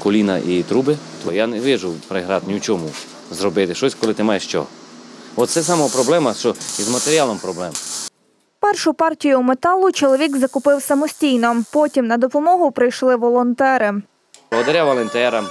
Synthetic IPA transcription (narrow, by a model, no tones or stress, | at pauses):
kɔlʲinɐ̰ʔit̪ɾubɪt̪ɔjaneʋɪʒʊwpɾɪɦɾɑt̪nʲiwt͡ʃɔmu | zɾɔbɪt̪ɪʃɔsʲkɔlˠɪt̪ɪmɑjeʃt͡ʃɔ̰ɦɔt̪sɛs̬ɑmɔɔpɾɔblˠɛmɐt͡ʃɔizmɐt̪eɾʲiɑlˠɔmpɾɔblˠɛmɐ | pɛrʃʊpɑrtʲijʊmet̪ɑlˠʊt͡ʃɔlˠɔʋʲiɡzɐkʊpɪwsɐmɔsʲtʲijnɔpɔtʲimnɐd̪ɔpɔmɔɦʊpɾɪjʃlˠɪʋɔlˠɔnt̪ɛɾɪ | ɐɦɔd̪ɐɾʲaʋɐlˠent̪ɛɾɐm